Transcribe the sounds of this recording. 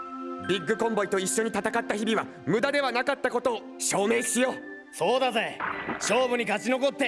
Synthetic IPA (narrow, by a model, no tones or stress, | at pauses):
bʲiɡːɯ̟kõ̞mbo̞it̪o̞iɕːo̞ɲ̟it̪at̪akat̪ːaçibʲiβa | mɯ̟d̪ad̪e̞βanakat̪ːako̞t̪o̞ː | ɕo̞ːme̞ːɕijo̞ː | so̞ːd̪azeɕo̞ːbɯ̟ɲ̟iɡat͡ɕino̞ko̞t̪ːe